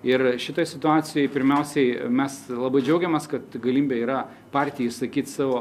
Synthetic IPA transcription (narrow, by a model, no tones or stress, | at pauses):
ɪrʃʲɪt̪oːjsʲɪt̪ʊɑːsʲɪjoɪpʲɪɾʲmʲɛʊsʲɛɪmʲɛslˠɑːbɐɪd͡ʒʲɛʊɡʲɛmɐskɐt̪ɡɐlʲiːmʲbʲeiːɾɐ | pɑrʲt̪ʲɪjɛɪʃsɐkʲiːt̪sɑːʋoː